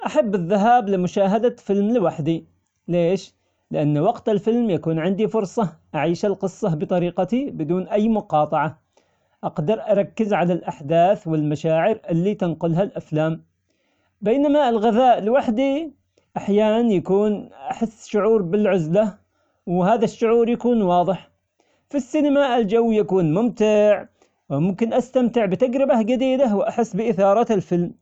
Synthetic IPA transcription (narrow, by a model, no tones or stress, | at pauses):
ʔaħabːɪðːaɦaːblɪmʊʃaːɦad̪afɪlmlɪwaħd̪i | leːʃ | lɪʔanːwɑqt̪ɪlfɪlmjakuːnʕɪnd̪ifʊɾˤsˤɑʔaʕiːʃalqɨsˤːɑbɨt̪ˤɑɾiːqɑt̪ibɪd̪uːnʔajːmʊqɑːt̪ˤɑʕa | ʔɑqd̪ɑɾˤʔɑɾˤɑkːɪzʕalalʔaħd̪aːθwɪlmaʃaːʕɪɾʔɪlːit̪ɪnqʊlɦalʔaflaːm | beːnamaɪlɣɪðaːʔlwaħd̪i | ʔaħjaːnanjakuːnʔaħɪsːʃʊʕuːɾbɪlʕʊzla | whaːðaʃːʊʕuːɾjakuːnwɑːðˤɨħ | fisːinamaʔɪld͡ʒawːjakuːnmʊmt̪ɪʕ | wmʊmkɪnʔast̪amt̪ɪʕbɪt̪aɡɾɪbad͡ʒad̪iːd̪awʔaħɪsːbɪʔɪθɑːɾˤɑɪlfɪlm